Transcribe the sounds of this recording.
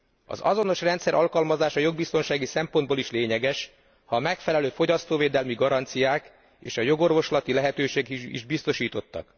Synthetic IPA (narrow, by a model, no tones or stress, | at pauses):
ɒ̰zɒ̰zo̞no̞ʃrɛnt̪sɛɾʔɒlkɒlmɒzaːʃɒjo̞ɡ̚bist̪o̞nʃaːɡisɛmpo̞nd̪boliʃleːɲɛɡɛʃ | hɒmɛkfɛlɛløːfo̞ɟɒst̪oːveːd̪ɛlmiɡɒɾɒnt̪sijaːk | eːʃɒjo̞ɡo̞rvo̞ʃlɒt̪ilɛɦɛt̪øːʃeːɡḭʒbist̪o̞ʃiːt̪o̞t̪ːɒ̰k